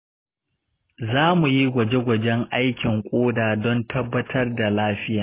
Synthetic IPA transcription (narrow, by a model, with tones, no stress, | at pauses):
zaː˦mu˨ji˦ɡʷɐ˨d͡ʒe˦ɡʷɐ˨d͡ʒɛ˦ŋʔa˦jkʲɪ˨ŋkʷʼoː˦daː˨dɔ˦ntʰɐ˦bːɐ˦tʰɐ˦rda˨laː˦ɸɪ˦jaː˨